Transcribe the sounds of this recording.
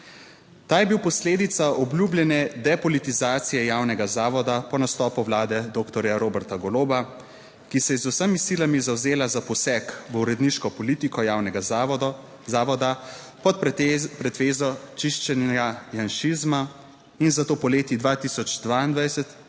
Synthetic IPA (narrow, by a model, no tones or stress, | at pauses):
t̪aːjɛbiwpɔsleːd̪it̪saʔɔblʲublʲjɛnɛd̪ɛpɔlit̪izaːt̪sijɛjaːwnɛɡazaːʋɔd̪apɔnast̪ɔːpuwlaːd̪ɛd̪oːkt̪ɔɾjaɾoːbɛɾt̪aɡɔloːba | kisɛjɛzusəmisilamizawzeːlazapɔsɛkʋəuɾɛd̪niʃkɔpɔliːt̪ikɔjaːwnɛɡa | aːʋɔd̪a | pɔt̪̚pɾɛt̪ʋeːzɔt͡ʃiʃt͡ʃɛnajanʃizma | inzat̪oːpɔleːt̪id̪ʋat̪iːsɔd͡ʒd̪ʋaind̪ʋajsɛt̪